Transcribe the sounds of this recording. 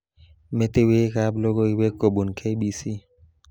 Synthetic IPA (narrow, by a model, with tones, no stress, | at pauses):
me˦t̪e˦we˦kablɔ˦ɡo˦i˦we˦ko˨ɓu˨nkʰe˦jɓi˦si˦